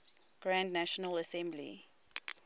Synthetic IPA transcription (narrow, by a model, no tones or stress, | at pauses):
ɡ̥ɹãndnæʃənələsɛ̃mblḭ